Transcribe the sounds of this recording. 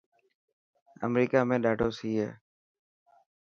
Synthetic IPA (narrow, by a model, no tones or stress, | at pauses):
ə̰mɾiːkaːmẽːɗaːɖoːsiːɦɛ̰ː